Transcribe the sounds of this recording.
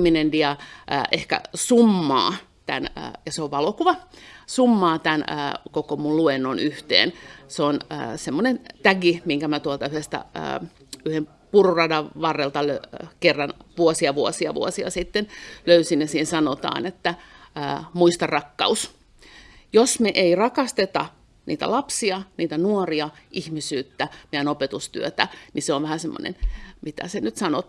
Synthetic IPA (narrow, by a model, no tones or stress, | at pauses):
mːinendiɑʔə̰ʔehkæ̰sumːɑ̰ː | t̪ænə̰jɑseoʋʋɑlokuʋɑsumːɑːt̪æn̰ːkokomulluenːonyht̪ḛːnseonə̰ːsemːonent̪æɡimiŋkæmæt̪uolt̪ɑyhest̪æ̰ə̰ː | yhem | pururɑdɑʋʋɑrːelt̪ɑløkerːɑnʋuosiɑʋuosiɑ̰ʋṵosiɑ̰sit̪ːenløysinjɑsiːnsɑnot̪ɑ̰ːnet̪ːæəːmuist̪ɑrɑkːɑ̰us | josmeʔeirɑkɑst̪et̪ɑ | nʔiːt̪æ̰lɑpsiɑniːt̪ænuoriɑʔihmisyːt̪ːæmejænopet̪ust̪y̰øt̪æniseoʋʋæhæsemːo̰nḛnmit̪æ̰senyt̪sɑno